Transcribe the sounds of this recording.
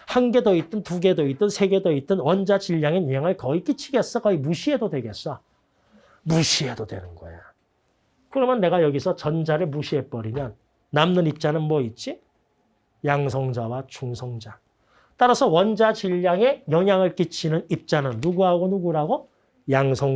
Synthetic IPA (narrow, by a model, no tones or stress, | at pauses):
hanɡe̞doit̚t͈ɯntuɡe̞doit͈̚ɯnsʰe̞ɡe̞doit̚t͈ɯnwʌnd͡ʑat͡ɕiʎːaŋeɲɲaŋɯɭkʌik͈it͡ɕʰiɡe̞s͈ʌkʌimuɕʰie̞dodwe̞ɡe̞s͈ʌ | muɕʰie̞dodwe̞̰nɯnɡʌ̰ejo | kɯɾʌmjʌnːe̞ɡajʌɡisʰʌt͡ɕʌnd͡ʑaɾɯɭmuɕʰie̞p͈ʌɾimjʌnː | amnɯnip̚t͡ɕ͈anɯnmwʌit̚t͡ɕ͈i | jaŋs̬ʰʌŋd͡ʑawat͡ɕuŋsʰʌŋd͡ʑa | t͈aɾasʰʌwʌnd͡ʑad͡ʑiʎːaŋe̞jʌŋjaŋɯɭk͈it͡ɕʰinɯnip̚t͡ɕ͈anɯnːuɡuɦaɡonuɡuɾaɡo | jaŋsʰʌŋ